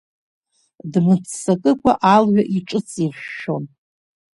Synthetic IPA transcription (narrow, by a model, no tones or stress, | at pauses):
dmɨt͡sʰːakʼɨkʷaʔalʕʷaʔiʈ͡ʂʼɨt͡sʼirʃʃo̞n